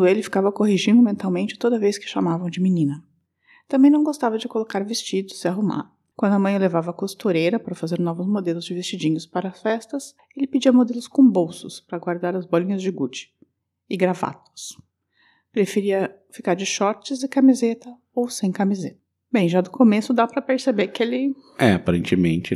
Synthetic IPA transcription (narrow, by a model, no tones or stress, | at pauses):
ʊelɪfi̥kavɐkoɦiʒĩnd̪ʊmẽnt̪awmẽnt͡ʃɪ̥t̪od̪ɐvejskɪ̥ʃamavɐ̃w̃d͡ʒɪminĩnɐ | t̪ɐ̃bẽj̃nɐ̃w̃ɡost̪avɐd͡ʒɪkolokaɾvest͡ʃid̪ʊsɪaɦuma̰ɾ | kwɐ̃nd̪ʊɐmɐ̃j̃levavɐːkost̪uɾejɾɐpaɾɐfazeɾnɔvʊzmod̪elʊzd͡ʒɪvest͡ʃid͡ʒĩɲʊspaɾɐsfɛst̪ɐs | elɪpid͡ʒiɐmod̪elʊskõbowsʊspɾɐɡwaɾd̪aɾɐzbɔlĩɲɐzd͡ʒɪɡut͡ʃɪ̥ | ɪɡɾava̰t̪ʊ̥s | pɾefeɾiɐ | fikaɾd͡ʒɪʃɔɾt͡ʃɪzɪkamizet̪ɐ | owsẽj̃kamizet̪ɐ̥ | bẽj̃ʒad̪ʊkomesʊd̪apɾɐpeɾsebekɪelɪ | ɛapaɾḛ̃nt͡ʃɪmḛ̃nt͡ʃɪ